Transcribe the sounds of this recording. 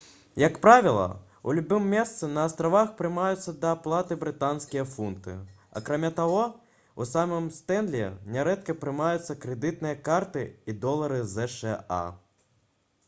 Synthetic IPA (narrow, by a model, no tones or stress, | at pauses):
jɐkpɾavʲilˠɐ̰ | ṵlʲubɨmːʲɛst̪sɨnɐːst̪ɾavaxpɾɨmajut̪sːɐd̪ɐːplˠat̪ɨbɾɨt̪anskʲijɐfunt̪ɨ̰ | ɐ̰kɾamʲat̪aɣɔ | ṵsamɨmst̪ɛnd̪lʲɛ̰nʲɛɾɛt̪kɐpɾɨmajut̪sːɐkɾɛd̪ɨt̪̚nɨjɐkart̪ɨid̪ɔlˠɐɾɨzɛʂɛa̰